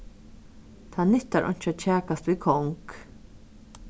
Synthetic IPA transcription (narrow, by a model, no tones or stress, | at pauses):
t̪ʰaːnʏht̪aɹʔɔ̰ɲ̥t͡ʃat͡ʃʰæːkast̪vikʰɔŋk